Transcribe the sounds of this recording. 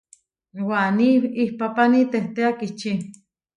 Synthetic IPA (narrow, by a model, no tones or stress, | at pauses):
waniihpapanit̪eht̪eakit͡ʃi